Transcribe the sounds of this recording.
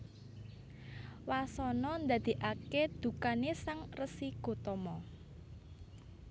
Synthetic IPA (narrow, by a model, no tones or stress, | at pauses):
wasɔnɔnd̪ä̤d̪̥i̤ʔaked̪̥ṳkanesaŋrəsiɡ̥o̤t̪ɔmɔ